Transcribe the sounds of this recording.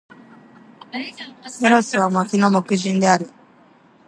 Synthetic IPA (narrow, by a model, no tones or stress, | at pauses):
ɛɾɔsiwamakinɔmɔkəd͡ʒindeaɾi